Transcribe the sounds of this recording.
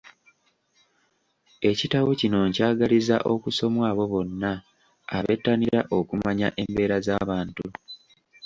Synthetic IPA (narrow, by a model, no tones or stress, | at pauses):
e̞citawocino̞ɲcaːɡaliza̰ʔo̞kuso̞mwaːβo̞βo̞nːaː | βe̞̰tːaniɾaʔokumaɲa̰ʔe̞mbe̞ːɾazaβaːntu